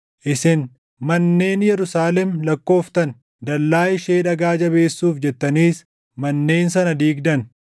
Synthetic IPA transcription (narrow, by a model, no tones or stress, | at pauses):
ʔɪsɪn | mɐnːe̞ːnjɛɾʊsaːlɛmlɐkːo̞ːft̪ɐn | d̪ɐlːaːjɪʃeːᶑɐɡaːd͡ʒɐβe̞ːsːuːfd͡ʒɛt̪ːɐniːs | mɐnːe̞ːnsɐnɐd̪iːɡd̪ɐn